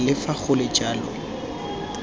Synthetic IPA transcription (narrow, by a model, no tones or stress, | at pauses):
lɪfaɣʊlɪt͡ʃʼaːlɔ̰